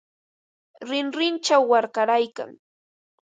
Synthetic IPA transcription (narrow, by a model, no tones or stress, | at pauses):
ɾɪnɾɪnt͡ʃawːaɾkaɾajka̰ŋ